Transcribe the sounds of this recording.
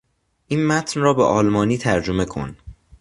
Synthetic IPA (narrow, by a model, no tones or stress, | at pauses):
ʔiːnmæt̪ʰnrɒːbeʔɒːlmɒːniːt̪ʰæɾd͡ʒome̞kʰo̞̰n